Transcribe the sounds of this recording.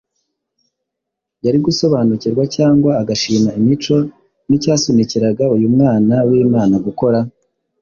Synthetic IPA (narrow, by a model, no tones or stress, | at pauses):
jaɾiɡuso̞βaːnuciɾɡwacaːŋɡwaːɡaʃiːmaimit͡ʃo̞ | nicaːsuniciɾaɡaujumŋaːnawiːmaːnaɡuko̞ɾa